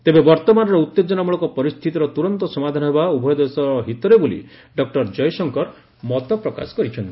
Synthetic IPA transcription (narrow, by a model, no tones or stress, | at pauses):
t̪ebebɔɾt̪ɔmanɔɾɔut̪ːed͡ʒɔnamuɭɔkɔpɔɾist̪ʰit̪iɾɔt̪uɾɔnt̪ɔsɔmad̪ʱanɔɦebaubʱɔjɔd̪esɔɾɦit̪ɔɾebulḭ | ɖɔk̚ʈɔɾd͡ʒɔjsɔŋkɔɾ | mɔt̪ɔpɾɔka̰sɔ̥kɔɾit͡ʃʰɔnt̪i